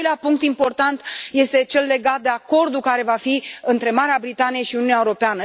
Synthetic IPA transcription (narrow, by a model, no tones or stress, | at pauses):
leapuŋk̚t̪impo̞rt̪ant̪je̞st̪e̞t͡ʃe̞lːe̞ɡat̪̚d̪e̞ako̞rd̪ukaɾe̞vafiɨnt̪ɾe̞maɾeabɾit̪anije̞ʃiuniuneaeuɾo̞peanə